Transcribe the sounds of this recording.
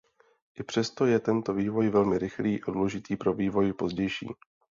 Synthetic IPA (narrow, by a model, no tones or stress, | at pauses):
ʔɪpr̝̥ɛst̪o̞jɛt̪ɛnt̪o̞viːvo̞jvɛlmɪɾɪxliːʔaduːlɛʒɪt̪iːpɾo̞viːvo̞jɪpo̞zɟɛjʃḭː